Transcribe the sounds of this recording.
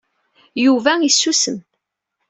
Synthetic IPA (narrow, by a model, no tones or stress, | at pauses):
juvæisːusəm